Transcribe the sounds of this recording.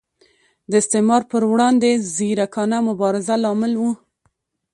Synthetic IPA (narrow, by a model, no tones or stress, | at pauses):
d̪əɪst̪ɪmɑɾpəɾwɽɑnd̪eziɾakɑnamʊbɑɾɪzalɑmɪlwu